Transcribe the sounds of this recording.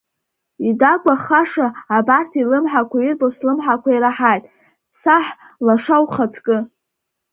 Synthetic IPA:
idakʷaχaʂaːbartʰilɨmħakʷʰairboslɨmħakʷʰaiɾaħajtʼ | saħ | laʂawχat͡sʰʼkʼɨ

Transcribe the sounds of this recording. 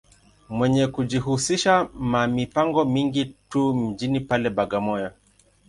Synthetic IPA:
mwɛɲɛkuʄiɦusiʃamamipaŋɡɔmiŋɡitum̩d͡ʒinipalɛɓaɡamɔja

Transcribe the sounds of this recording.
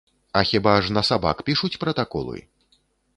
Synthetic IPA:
ɐxʲibaʐnɐsaba̰kpʲiʂut͡sʲpɾɐt̪akɔ̰lˠɨ̰

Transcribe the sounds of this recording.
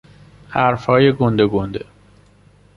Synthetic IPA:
hæɾfhɒːjeɡond̪eɡond̪ḛ

